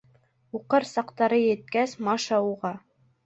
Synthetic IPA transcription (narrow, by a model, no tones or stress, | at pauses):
uqɤɾsɑqt̪ɑɾɤjɘ̆t̪̚kæsmɑʃɑuʁɑ